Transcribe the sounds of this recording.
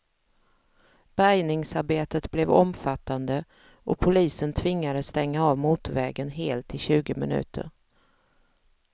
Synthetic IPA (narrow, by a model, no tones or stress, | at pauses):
b̥æjnɪŋsaɾbeːt̪ət̪blɛvɔmfat̪ːand̪ə | ʔɔpʰʊliːsənt̪ʰvɪŋːad̪əst̪ɛŋːaavmuːt̪vɛːɡənɦeːlt̪ʰːɪɕʉ̟ːɡəmɪnʉ̟̰ːt̪ʰə̰ɾ